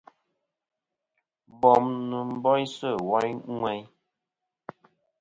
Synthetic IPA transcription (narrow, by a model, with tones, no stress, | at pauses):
bɔ˨mnə˨m̩˨bɔ˦jsə˦˨wɔ˦jŋwɛ˦j